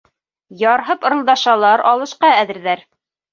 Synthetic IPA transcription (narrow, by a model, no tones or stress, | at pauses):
jɑɾɦɤpŏɾɤ̆lˠd̪ɑʃɑlˠɑɾɑlˠɤ̆ʃqɑæðɘ̆ɾðæɾ